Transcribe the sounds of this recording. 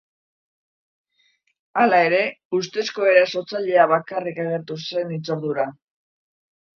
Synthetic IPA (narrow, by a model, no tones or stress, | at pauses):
alae̞ɾe̞ | ust̪e̞sko̞e̞ɾaso̞t͡saʎe̞aβakarikaɣ̞e̞ɾt̪use̞nit͡so̞ɾðuɾa